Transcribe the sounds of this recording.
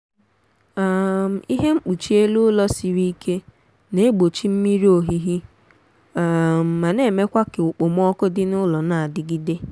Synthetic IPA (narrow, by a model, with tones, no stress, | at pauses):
a˦m̩˨i˦ɦe˦ŋ͡m̩˦k͡pu˨t͡ʃi˦e˦lu˦lɔ˦si˨ɾi˦kʰe˦ | ne˦ɡ͡bo˨t͡ʃi˦m̩˦mi˦ɾi˦o˨ɦi˦ɦi˦ | a˨m̩ː˨a˨ne˦˨me˦kʷa˦kɪ˨ʊ˨k͡pʊ˨m˦ɔ˦kʊ˦dɪ˦nʊ˦lɔ˨na˨a˨dɪ˦ɡi˦de˦